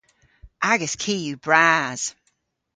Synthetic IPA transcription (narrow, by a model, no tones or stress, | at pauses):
ʔaɡəskʰiːjubɹaz̥